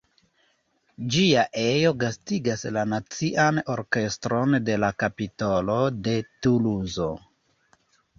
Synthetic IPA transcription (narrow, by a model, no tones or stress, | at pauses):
d͡ʒiaʔe̞jo̞ɡastiɡaslanat͡siʔano̞ɾke̞stɾo̞nde̞lakapitolo̞de̞tuluzo̞